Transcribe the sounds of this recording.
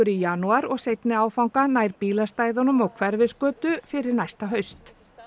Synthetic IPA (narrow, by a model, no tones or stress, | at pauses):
ʏɾijanuaɾɔɣsejt̪nɪaːwfawŋkanajɾpiːlast̪aːjðɔnʏmɔwkʰvɛɾvɪskœːt̪ʏfɪɾɪɾnajst̪aɦœɥst̪